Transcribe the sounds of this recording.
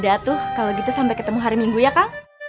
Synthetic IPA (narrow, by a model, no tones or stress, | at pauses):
dat̪ʊhkaloɡit̪usampɛkət̪əmuɦaɾimiŋɡujakaŋ